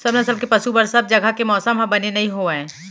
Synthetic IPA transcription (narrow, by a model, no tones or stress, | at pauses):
sɐbnɐsəlkepɐʃubəɾsɐb̚d͡ʒɐɡʱakemɔːsəmɦɐ̃bɐnenɐɦĩɦoɛ̃ː